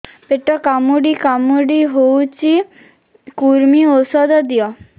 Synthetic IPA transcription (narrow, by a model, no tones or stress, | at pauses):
peʈɔkamuɖikamuɖiɦowt͡ʃʰi | kuɾmiosɔd̪ɔd̪ijɔ